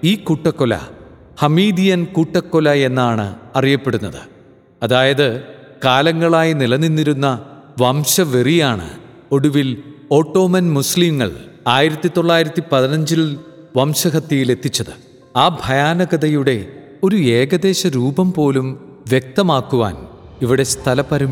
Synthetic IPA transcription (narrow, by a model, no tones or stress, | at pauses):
iːkuʈːɐkːolɐ̰ | hɐmiːd̪ijɐnkuʈːɐkːolɐe̞nːaːɳɨ̰ɐrijɐpːe̞ɽunːɐðɨ | ɐðaːjɐðɨ | kaːlɐŋːɐɭaːjinilɐnːinːiɾunːɐ | ʋɐmɕɐʋerijaːɳɨ̰ | o̞ɽuʋilo̞ːʈːo̞ːmɐnmuslimːɐ̰ɭaːjiɾɐt̪ːit̪o̞ɭːaːjiɾɐt̪ːipɐðinɐɲd͡ʑil | ʋɐmɕɐɦɐt̪jɐjile̞t̪ːit͡ɕːɐðɨ | aːbʱɐjaːnɐɡɐðɐjuɽe̞ | o̞ɾue̞ːɡɐðe̞ːɕɐɾuːbɐmpo̞ːlumʋjek̚t̪ɐmaːkːuʋa̰ːniʋiɽe̞st̪ʰɐlɐpɐɾɐm